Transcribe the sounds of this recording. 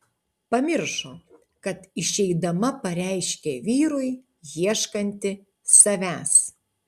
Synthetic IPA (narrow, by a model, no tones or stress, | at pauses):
pɐmʲɪɾʃo | kɐt̪ɪʃʲɛɪd̪ɐmɐpɐɾʲæˑɪʃʲkʲeːʋʲiːɾʊɪ | jiɛʃkɐnʲt̪ʲɪ | sɐʋʲæːs